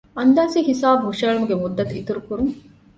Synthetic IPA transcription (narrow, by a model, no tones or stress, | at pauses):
ɐnd̪aːsihisaːbɦuʂeːɭumuɡemud̪ːɐt̪it̪uɾukuɾuŋ